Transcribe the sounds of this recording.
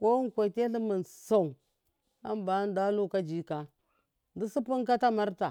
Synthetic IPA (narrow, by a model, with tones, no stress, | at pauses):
ko˦ŋ˨kʷa˨i˨te˦ɬi˦mi˨nsa˨u˨ | a˦mba˨˦n˦da˦lu˦ka˦d͡ʒi˦ka˨ | ndi˦si˦pi˦ŋka˦ta˦ma˦ɾta˨